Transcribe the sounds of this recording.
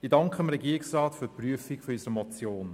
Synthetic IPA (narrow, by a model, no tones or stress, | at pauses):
idɑŋkχəəmɾɛɡiːɾiksrɑːtfyːpryəfikfɔysəɾəmɔt͡sjoːn